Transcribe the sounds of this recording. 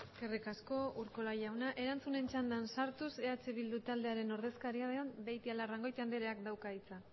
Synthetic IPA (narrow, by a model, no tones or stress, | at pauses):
eskerikasko̞uɾko̞lajawnaʔe̞ɾant͡sune̞nt͡ʃand̪ansaɾt̪use̞at͡seβild̪ut̪ald̪eaɾe̞no̞ɾðe̞skaɾiaðeombejt̪ialaraŋɡo̞jt̪and̪eɾeakd̪awkait͡sa